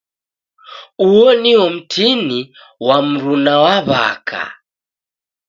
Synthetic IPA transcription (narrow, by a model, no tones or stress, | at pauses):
uɔniɔm̩tʰini | wam̩ɾunawaβa̰kʰa̰